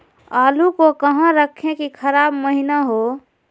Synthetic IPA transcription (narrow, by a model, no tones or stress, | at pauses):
aːlukokəɦãɾəkʰẽkikʰəɾaːbməɦinaɦo